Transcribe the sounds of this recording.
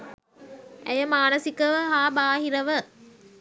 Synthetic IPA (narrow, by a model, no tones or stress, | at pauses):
æjəmaːnəsikəʋəɦaːbaːɦiɾəʋə